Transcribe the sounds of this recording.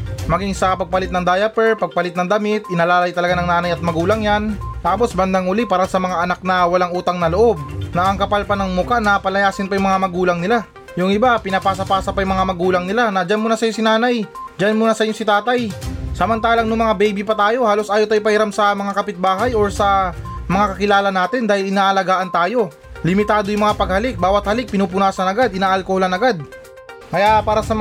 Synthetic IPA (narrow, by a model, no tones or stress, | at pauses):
mɐɡiŋsɐpɐɡ̚pɐlɪt̪nɐŋd̪aːjɐpɛɹpɐɡ̚pɐlɪt̪nɐŋd̪ɐmɪt̪̚ʔɪnɐlaːlɐjt̪ɐlɐɡanɐŋnaːnɐjɐt̪̚mɐɡuːlɐŋjanlaːposbɐnd̪aŋʔʊlipɐɾasɐmɐŋaʔɐnak̚nɐwɐlaŋʔuːt̪ɐŋnɐloʔo̞b̚nɐʔɐŋkɐpalpɐnɐŋmʊkanɐpɐlɐjaːsɪnpajʊŋmɐŋamɐɡuːlɐŋnɪla | jʊŋɪbapɪnɐpaːs̬ɐpaːsɐpajʊmɐŋamɐɡuːlɐŋnɪlanɐd͡ʒanmuːnɐsɐjosɪnaːnɐjd͡ʒanmunɐsɐʔɪɲːo̞sɪt̪aːt̪ɐjsɐmɐnt̪aːlɐŋnʊŋmɐŋabɛjbipɐt̪aːjo̞haːlo̞sʔaːjot̪aːjpɐhɪɾamsɐmɐŋakɐpɪt̪̚baːɦɐjoɹsɐmɐŋakɐkɪlaːlɐnaːt̪ɪnd̪aːhɪlɪnaːʔɐlɐɡaːʔɐnt̪aːjo̞ | lɪmɪt̪aːd̪o̞jʊŋmɐŋapɐɡ̚hɐlɪk̚baːwɐt̪̚hɐlɪk̚pɪnuːp̬ʊnaːsɐnɐɡad̪ʔɪnaːʔɐlkoholɐnɐɡad̪̚ | kɐjapaːɾɐsɐm